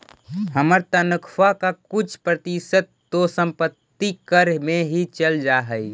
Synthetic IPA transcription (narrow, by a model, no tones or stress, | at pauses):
həməɾt̪ənəkʰwakakʊt͡ʃʰpɾət̪isət̪̚ːosəmpət̪ːikəɾmeɦit͡ʃəld͡ʒaɦəi